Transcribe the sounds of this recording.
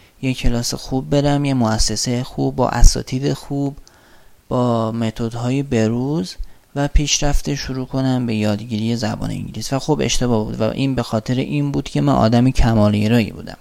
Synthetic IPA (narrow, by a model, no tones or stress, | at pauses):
jecʰe̞lɒːsexub̚ːe̞ɾæmjemoæsːe̞sejxubːɒ̰ʔæ̰sɒ̰ːt̪ʰiːd̪exub | b̥ɒːme̞t̪ʰo̞d̪hɒːjebe̞ɾuːz | væpʰiːʃɾæft̪eʃuɾuːkʰo̞næmbe̞jɒːd̪ɟiːɾije̞zæbɒ̰ːnḛḭŋɟilisvæxobe̞̰ʃt̪e̞bɒːhbuːd̪væ̰ʔiːnbe̞xɒːt̪ʰe̞ɾḛʔinbuːd̪̥cʰe̞mænʔɒ̰ːd̪æmicʰæmɒːljeɾɒːjḭbṵːd̪æ̰m